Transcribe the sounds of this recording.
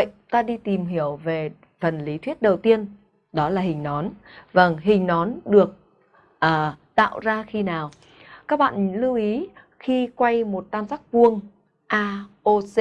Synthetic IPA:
ə̰˧˨jt̪aː˧ɗi˧t̪i˨˩mɦi˧˩əwve˨˩ | fə˨˩nli˨˦t̪ʰwi˦˥ət̚ɗə˨˩wt̪i˧ən | ɗɔ˨˦laː˨˩hï˨˩ŋ̟nɔ˨˦nvə˧˩ŋɦï˨˩ŋ̟nɔ˨˦nɗɨ˨˩ək̚ | ʔəː˨˩t̪a̰ː˧˨wzaː˧xi˧naː˨˩w | kaː˦˥k̚ɓa̰ː˧˨n˨˦lɨ˧wʔi˨˦ | xi˧kwa˧jmo˨˩t̚t̪aː˧msaː˦˥k̚vu˧əŋ | ʔaː˧ʔo˧se˧

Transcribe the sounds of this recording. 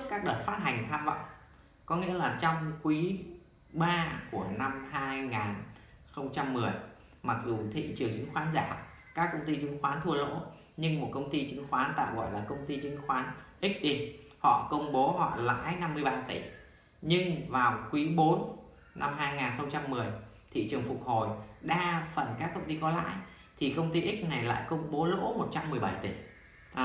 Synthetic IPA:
kaː˦˥k̚ɗəː˨˩t̚faː˦˥t̚ɦa˨˩jŋ̟t̪ʰaː˧mvə̰˧˨ŋ͡m | kɔ˨˦ŋḭ˧˥əlaː˨˩t͡ɕɔ˧wŋ͡mkwi˨˦ | ɓaː˧ku˧˩əna˧mhaː˧jŋaː˨˩nxə˧wŋ͡mt͡ɕa˧mːɨ˨˩əj | ma˨˩k̚zu˨˩t̪ʰḭ˧˨t͡ɕɨ˨˩əŋt͡ɕɨ̰˧˦ŋxwaː˨˦nzaː˧˩ | kaː˦˥kːə˧wŋ͡mt̪i˧t͡ɕɨ˨˦ŋxwaː˨˦nt̪ʰu˧əlo̰˧˥ | ɲɨ˧ŋmo˨˩t̚kə˧wŋ͡mt̪i˧t͡ɕɨ˨˦ŋxwaː˨˦nt̪a̰ː˧˨wɣɔ̰˧˩jlaː˨˩kə˧wŋ͡mt̪i˧t͡ɕɨ˨˦ŋ̟xwaː˨˦nʔi˦˥k̟̚ɗi˧ | hɔ̰˧˨kə˧wŋ͡mɓo˨˦ɦɔ̰˧˨la̰ː˧˥jna˧mːɨ˧əjɓaː˧t̪i˧˩ | ɲɨ˧ŋvaː˨˩wkwi˨˦ɓo˨˦n | nʔa˧mɦaː˧jŋaː˨˩nxə˧wŋ͡mt͡ɕa˧mːɨ˨˩əjt̪ʰḭ˧˨t͡ɕɨ˨˩əŋfʊ˨˩k͡p̚ho˨˩jɗaː˧fə˨˩nkaː˦˥k̚ːə˧wŋ͡mt̪i˧kɔ˨˦la̰ː˧˥˨j | t̪ʰi˨˩kə˧wŋ͡mt̪i˧ʔï˦˥k̟̚na˨˩jla̰ː˧˨jkə˧wŋ͡mɓo˨˦lo̰˧˥mo˨˩t̚t͡ɕa˧mːɨ˨˩əjɓa˧˩jt̪i˧˩

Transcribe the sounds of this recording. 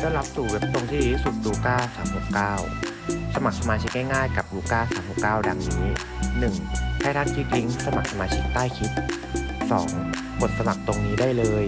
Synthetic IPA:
dɔː˥˩la˦˥p̚suː˨˩we˦˥p̚t̪o˧ŋt̪ʰiː˥˩˥su˨˩t̪̚luː˧kaː˥˩saː˩˦mhu˨˩kaː˥˩w | sa˧ma˨˩k̚sa˧maː˧t͡ɕʰi˦˥k̚ŋɛː˥˩jŋaː˥˩jka˨˩p̚luː˧kaː˥˩saː˩˦mhu˨˩p̚kaː˥˩wda˧ŋniː˦˥ | nɯ˨˩ŋkʰaː˥˩ɾaː˥˩nkʰiː˦˥˩t̪̚ɾi˦˥ŋsa˧ma˨˩k̚sa˧maː˧t͡ɕʰi˦˥k̚t̪aː˥˩jkʰi˦˥t̪̚ | sɔ̰ː˩˦ŋ | bo˨˩t̪̚sa˧ma˨˩k̚t̪o˧ŋniː˦˥daː˥˩jlɤː˧j

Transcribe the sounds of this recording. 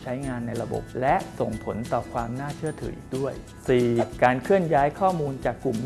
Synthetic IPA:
t͡ɕʰa˦˥jŋaː˧nːa˧jɾa˧bo̰˨˩p̚lɛ˦˥ʔso˨˩ŋpʰo˩˦nt̪ɔː˨˩kʰwaː˧mnaː˥˩t͡ɕʰɯ˥˩ət̪ʰɯ̰˩˦ʔiː˨˩k̚du˥˩əj | siː˨˩kaː˧nkʰɯ˥˩ənjaː˦˥jkʰɔː˥˩muː˧nt͡ɕaː˨˩kːlu˨˩m

